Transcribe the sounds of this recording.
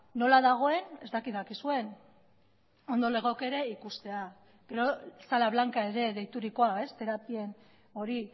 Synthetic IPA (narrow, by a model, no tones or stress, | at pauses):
no̞laðaɣ̞o̞e̞ne̞zt̪akit̪ðakisue̞n | o̞nd̪o̞le̞ɣo̞ke̞ɾe̞ikust̪e̞a | ɡ̥e̞ɾo̞salaβ̞laŋkae̞ɾe̞ðe̞jt̪uɾiko̞ae̞st̪e̞ɾapie̞n | o̞ɾi